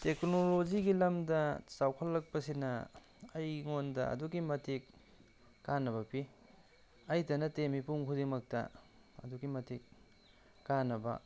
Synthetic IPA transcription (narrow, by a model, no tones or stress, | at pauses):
teknolod͡ʒiɡilɐmdɐsawkʰɐlːɐk̚pɐsinɐ | ɐjŋondɐ̰ɐ̰duɡimɐtʰikː | anːɐβɐpi | ɐjtɐnɐtemipuŋkʰudiŋmɐk̚tɐ̰ | ɐ̰duɡimɐtik̚ː | anɐbɐ̰